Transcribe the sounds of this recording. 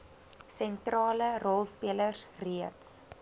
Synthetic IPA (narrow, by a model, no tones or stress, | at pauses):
sɛntrɑːlərɔlˠspiələrsriəts